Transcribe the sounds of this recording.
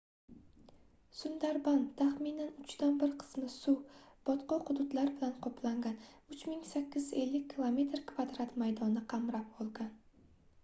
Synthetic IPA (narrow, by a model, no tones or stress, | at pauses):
sʊnd̪aɾbant̪ʰaχminanʊt͡ʃd̪anbɪɾqʰɨ̥smɪsub̥ɒt̪qɒqʊd̪ʊt̪laɾbɪlanqʰɒpʰlaŋɡʲanʊt͡ʃmɪŋsakʲːɪze̞lːɪk̚ʲʰːilˠome̞t̪ɾkʰvad̪ɾat̪majd̪ɒnɪqʰɑmɾap̚ɒlˠɡʲan